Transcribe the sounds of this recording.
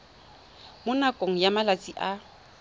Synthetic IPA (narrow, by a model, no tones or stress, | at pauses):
mʊnakʼoŋ̩jamalat͡sʼiʔa